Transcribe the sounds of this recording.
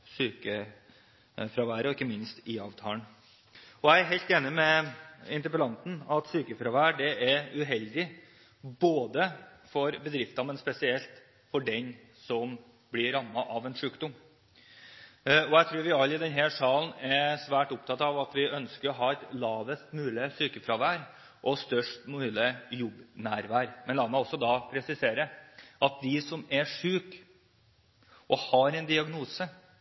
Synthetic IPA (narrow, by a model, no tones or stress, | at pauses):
syːkə | fɾɑʋæːɾəɔɪkːəmɪnst̪ɪɑːʋt̪ʰɑːəɳ | ɔæɪæɾɦɛɪlt̪eːnɪmɛɪnt̪əɾpəlɑnt̪n̩ɑt̪syːkəfɾɑʋæːɖɛʔæɾʉɦɛld̪ɪ | boːd̪ə | fɔɾbəd̪ɾɪft̪ɑmɛnspɛsɪɛlt̪ | fɔɖɛn | sɔm | blɪɾːɑmːɑʔɑʋɛnʂʉːkd̪ɔm | ɔæɪt̪ʰɾʉːɾʋɪɑlːɪd̪ɛnɦæʂɑːln̩ɛsʋæːʈʊp̚t̪ʰɑt̪ɑʋɑt̪ʋɪʔœnskəɾɔɦɑːæt̪lɑːʋəst̪mʉːlɪsyːkəfɾɑʋæːɾ | ʔɔst̪œʂʈmʉːlɪjʊbːnæːɾʋæːɾmɛnlɑːmæɪɔsːɔd̪ɑpʰɾɛsɪseːɾəʔɑt̪̚d̪ɪsɔmɛʂʉːk | ʔɔhɑɾɛnd̪ɪɑɡnuːsə